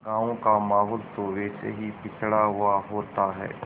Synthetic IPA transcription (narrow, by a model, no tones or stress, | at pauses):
ɡãːʋõkamaːɦoːlt̪oʋɛːsḛɦipɪt͡ʃʰɽaɦʊaɦoːt̪aɦɛ̰ː